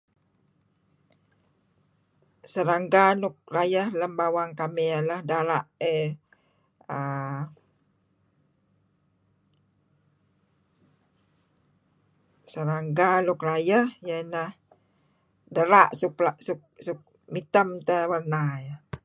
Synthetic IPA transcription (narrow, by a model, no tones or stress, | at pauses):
səɾaŋɡanuk̚rajəhləmbawaŋkamialahdaɾaʔe | ə | səɾaŋɡalukrajəhjənəh | dəɾaʔsuklaʔsuk̚suk̚ | mit̪əmt̪əwərnajə